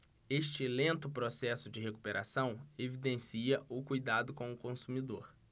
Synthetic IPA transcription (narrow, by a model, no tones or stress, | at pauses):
eʃt͡ʃɪlẽnt̪ʊpɾosɛsʊd͡ʒɪɦeku̥peɾʔa̰sɐ̃w̃evid̪ẽsiɐʔʊkujd̪ad̪ʊkõw̃ʊkõsumid̪oɾ